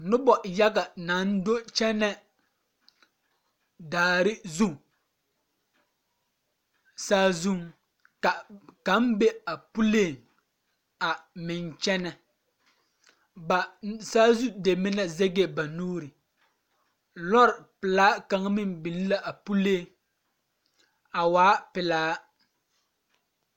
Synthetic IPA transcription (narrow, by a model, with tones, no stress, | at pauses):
nʊ˦bɔ˨ja˦ɡa˨na˨˦n˦do˦t͡ʃɛ˦nɛ˦ | daː˨ɾɪ˦zu˦ | saː˦zu˦ŋ | ka˨ka˨˦m˦be˦a˨pu˦leː˦˨ŋ | a˨mɪ˨nt͡ʃɛ˦nɛ˨ | ba˨saː˦zu˦de˨mɪ˦na˦zɛ˦ɡe˦ba˨nuː˦ɾɪ˨ | lɔ˦ɾɪ˨pɪ˨laː˦ka˨ŋ˦mɪ˦nbi˨lla˦ʔa˨pu˦leː˦˨ŋ | a˨waː˨˦pɪ˨laː˦